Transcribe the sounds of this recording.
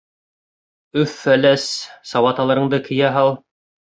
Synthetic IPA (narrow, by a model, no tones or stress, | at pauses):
ɵfːælæssɑwɑt̪ɑlˠɤ̆ɾɤ̆ɴd̪ɤkʰɘ̆jæɦɑlˠ